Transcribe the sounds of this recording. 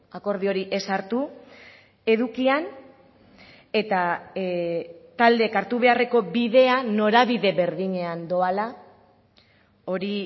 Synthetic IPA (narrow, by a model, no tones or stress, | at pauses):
ako̞ɾð̞io̞ɾiʔe̞saɾt̪u | e̞ðukian | e̞t̪a | t̪ald̪e̞kaɾt̪uβe̞are̞ko̞biðe̞ano̞ɾaβiðe̞βe̞ɾðiɲe̞and̪o̞ala | o̞ɾi